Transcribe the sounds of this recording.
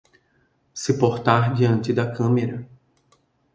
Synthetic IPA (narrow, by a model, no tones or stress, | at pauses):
sɪpoɾt̪aɾd͡ʒiɐ̃nt̪ɪd̪ɐkɐ̃meɾɐ